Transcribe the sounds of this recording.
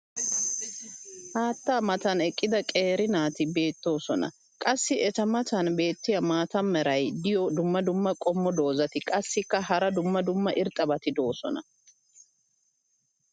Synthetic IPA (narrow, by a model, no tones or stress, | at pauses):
haːt̪ːaːmɐt̪ɐnɛkʼːɪd̪ɐkʼeːɾɪnaːt̪ɪbe̞ːt̪ːo̞ːsɔnɐ̰ | kʼɐsːɪʔɛtɐmɐt̪ɐnbe̞ːt̪ːɪjɐmaːt̪ɐmːɛɾɐjd̪ɪjɔd̪ʊmːɐd̪ʊmːɐkʼɔmːɔd̪o̞ːzɐt̪ɪkʼɐsːɪkːɐɦɐɾɐd̪ʊmːɐd̪ʊmːɐʔɪɾt̪ʼːɐbɐt̪ɪd̪o̞ːsɔ̰nɐ̰